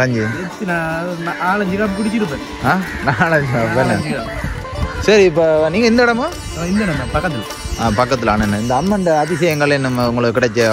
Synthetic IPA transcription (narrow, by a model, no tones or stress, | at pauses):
kaɲd͡ʒi | tːnanaaːɭɐɲd͡ʒɯkaːmpɪɽɪkːɪɾɯp̬ːẽː | ãː | naːɭɐd͡ʒɐpɽɐnːɐa | sɐɾiɪpːoːniːŋɡɐɪnd̪ɐɛɽɐmoː | ɪnd̪ɛɽɐmɐpɐkːɐt̪ːɪl | aːpɐkːɐt̪̬ːɪlaːnɐnːɯɪnd̪ɐːmːɐnd̪ɐɐðɪsɐjɐŋɡɐɭenɐmːɐʊŋɡɐɭɯkːɯkːɪɽɐkːɯ